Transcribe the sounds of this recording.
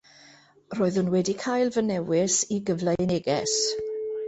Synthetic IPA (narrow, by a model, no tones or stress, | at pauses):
roːɨð̥hʊnwɛdikʰajlˠvənɛwɪsiɡəvlanɛɡɛs